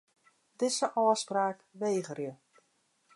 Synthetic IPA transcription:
dɪsəʔɔːəspraːkʋejɣərjə

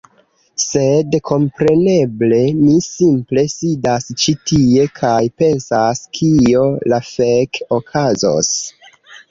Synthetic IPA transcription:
se̞dkʰo̞mpɾe̞ne̞ble̞nisimple̞sidast͡ʃitie̞kʰajpe̞nsaskʰio̞lafekokʰazo̰s

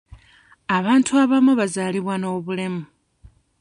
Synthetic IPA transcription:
aβaːntʰuaβamuβazaːliβwano̞ːβule̞mu

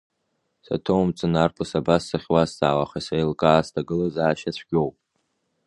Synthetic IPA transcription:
sa̰tʰowmt͡sʷʼɨnarpʰɨsabasːaχʲwasza̰ːwaχasajlkʼaːstʰaɡɨlazaːʃat͡ɕʷʰɡ̥ʲowpʼ

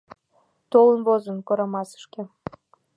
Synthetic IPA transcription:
t̪olənβozənkoɾɑmɑsə̥ʃke

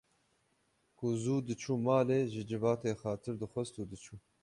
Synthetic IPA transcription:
kʊzuːd̪ɨt͡ʃʰuːmaːleːʒɨd͡ʒɨvɑːt̪eːxɑːt̪ʰɨɾd̪ɨxʷɛst̪uːd̪ɨt͡ʃʰuː

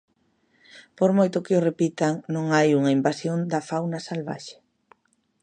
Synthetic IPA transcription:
poɾmojt̪ʊkɪʊrepit̪aŋnõŋajuŋɐimbasjond̪ɐfawnɐsalβa̰ʃe̥

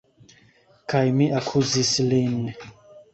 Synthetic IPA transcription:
kʰajmiʔakʰuzislini

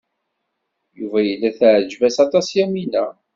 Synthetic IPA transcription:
juvæjəlːæθʕəd͡ʒvæsɑt̪ˤɑsjæminæ

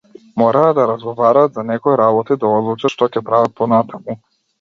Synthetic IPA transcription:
mɔɾaːd̪aɾazɡɔvaɾaːt̪zanɛkɔiɾabɔt̪id̪aɔd̪lˠut͡ʃaʃt̪ɔcɛpɾavat̪̚pɔnat̪ʰamu

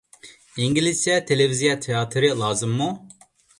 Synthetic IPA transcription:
iŋɡilisjat̪ʰelevizijat̪ʰeaːt̪ʰɾɨlˠɑːzɨmːu

